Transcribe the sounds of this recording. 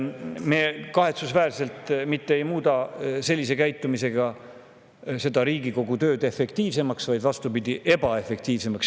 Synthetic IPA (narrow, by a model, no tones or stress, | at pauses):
mekɑɦe̞t̪susvæːrse̞lt̪mit̪ːeejmuːd̪ɑse̞lʲːis̬e̞kæjt̪ːˑumise̞ɡ̥ɑ | se̞d̪ɑɾiːɡiko̞ɡ̥ut̪ø̞ːd̪̥e̞fːe̞kt̪iːvse̞mɑksvɑjd̪vɑst̪upid̪iʔe̞bɑe̞fe̞k̚t̪iːvse̞mɑks